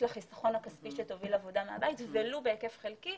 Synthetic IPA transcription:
laχisaχo̞nhakaspiʃet̪ovilavodamea̰bait̪velubeekefχelki

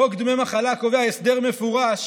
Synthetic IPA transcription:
okd̪memaχalako̞veaesd̪e̞ʁme̞fuʁaʃ

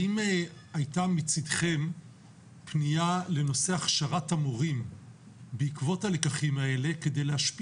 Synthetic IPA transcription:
imajtamit͡sidχe̞m | pniale̞no̞seaχʃaʁatamuʁim | beikvo̞talekaχimae̞le̞ke̞de̞jleɦaʃpi

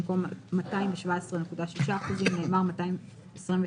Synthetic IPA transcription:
mko̞mːataimveʃvaesʁene̞kudaʃiʃaːχuzimneːmaʁmataim | esʁimve

